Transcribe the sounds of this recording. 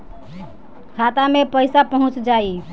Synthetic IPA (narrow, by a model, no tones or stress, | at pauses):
kʰat̪amepəjsapəɦũt͡ʃd͡ʒai